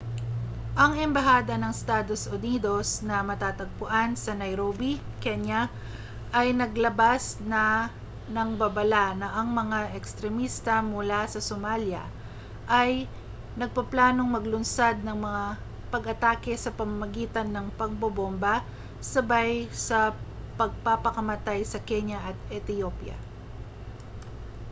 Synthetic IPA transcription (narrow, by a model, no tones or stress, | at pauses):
ʔɐŋɛmbɐɦaːd̪ɐnɐŋst̪aːd̪o̞sʔʊniːd̪o̞snɐmɐt̪aːt̪ɐɡ̚pʊʔansɐnɐjɾobi | kɛɲɐ | ʔɐjnɐɡlɐbasnɐ | nɐŋbɐbɐlanɐʔɐŋmɐŋaʔɛkst̪ɾɛmist̪ɐmʊlasɐsomaljɐ̰ | ʔaj | nɐɡ̚pɐplaːno̞ŋmɐɡlʊnsad̪̚nɐŋmɐŋa | pɐɡɐt̪aːkɛsɐpɐmamɐɡiːt̪ɐnːɐŋpɐɡ̚bɐbomba | sɐbajsɐpɐɡ̚papɐkɐmɐt̪ajsɐkɛɲjɐʔɐt̪̚ɛt̪ɪjopjɐ̰